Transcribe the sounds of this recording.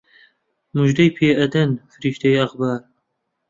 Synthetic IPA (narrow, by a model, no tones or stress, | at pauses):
muʒd̪ɐjpʰeːʔɐd̪ɐnfɨɾiːʃt̪ɐjɐxbɑːɾ